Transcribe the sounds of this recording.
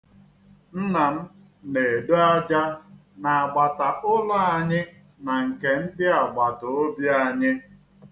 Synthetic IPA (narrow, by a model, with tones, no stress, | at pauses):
n̩˦na˨m̩˦ | ne˨e˨do˦a˦d͡ʒa˦ | na˨a˨ɡ͡ba˨ta˨ʔʊ˦la˦a˨ɲɪ˦ | na˨ŋ̩˨ke˨n̩˦dɪ˦a˨ɡ͡ba˨tʊ˨o˦bja˦˨ɲɪ˦